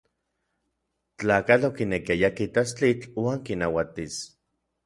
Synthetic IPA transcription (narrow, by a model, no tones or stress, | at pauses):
t͡ɬaːkalokinekiajakit̪ast͡ɬit͡ɬwaːŋkinawat̪is